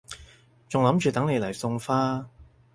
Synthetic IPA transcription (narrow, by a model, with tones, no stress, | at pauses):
t͡sʊ˨ŋlɐ˨˥mt͡ʃyː˨t̪ɐ˨˥ŋne˨˧jlɐ˨˩jsʊ˧ŋfaː˥